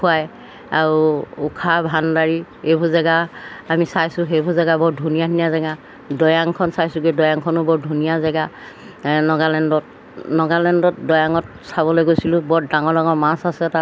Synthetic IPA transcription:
kʰuaj | aɹuːkʰabʱandaɹihebʱuzaɡaamisajsʊɦebʱuzaɡabɔɹdʱunijatʰiniazɛɡa | dɔjaŋkʰɔnsajsʊɡidɔjaŋkʰɔnʊbɔɹdʱunijazɛɡa | nɔɡalɛndɔt | nɔɡalɛndɔtdɔjaŋɔt̚ | sabɔlojɡojsilʊ̃bɔɹdaŋɔɹdaŋɔɹmasasɛta

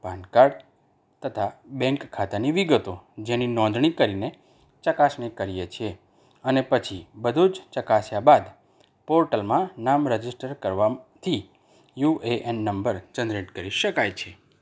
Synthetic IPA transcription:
bʱankaɾɖ | t̪ət̪ʰabɛ̃ŋkʰːat̪aniʋiɡət̪od͡ʒeninɔ̃nd̪ɳ̃ikəɾine | t͡ʃəkasɳekəɾijet͡ʃʰe | ənepət͡ʃʰibəd̪ʱud͡ʒt͡ʃəkasjabad̪ | poɾʈəlmãnamɾəd͡ʒisʈəɾkəɾʋat̪ʰi | jueʔɛnːəmbəɾt͡ʃənd̪ɾeʈkəɾiʃəkajt͡ʃʰe

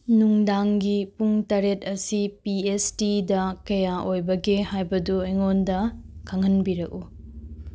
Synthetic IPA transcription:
nuŋdaŋɡipuŋtɐɾetɐsipiestidɐkɐjaʔojbɐɡehajbɐduɐjŋondɐkʰaŋɐnbiɾɐk̚u

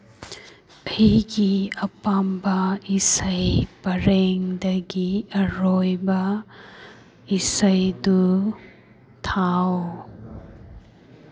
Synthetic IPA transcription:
ɐhiɡiɐpambɐisɐjpɐɾeŋdɐɡiɐɾojbɐ | isəjdu | t̪ʰaw

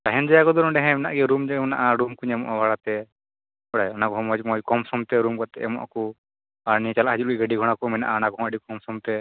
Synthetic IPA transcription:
t̪aɦɛnd͡ʒajakɔd̪ɔɾɔ̃ɖɛɦɛ̃mɛna̰ʔɡɛɾumd͡ʒanaʔaɾumkuɲɛmɔʔabaɽat̪ɛ | ɔɽajɔnakɔɦɔ̃mɔd͡ʒmɔd͡ʒkɔmsɔmt̪ɛɾumkɔt̪ɛʔɛmɔʔa̰ku | aɾnit͡ʃalaʔhad͡ʒulɡəɖiɡʱɔɽ̃akumɛna̰ʔaɔnakɔɦɔmaɖikɔmsɔmt̪ɛ

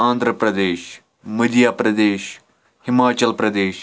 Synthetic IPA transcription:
ãːnd̪ʱɾəpɾɐd̪eːʃ | məd̪ijaːpɾɐd̪eːʃ | hɪmaːt͡ʃɐlpɾɐd̪eːʃ

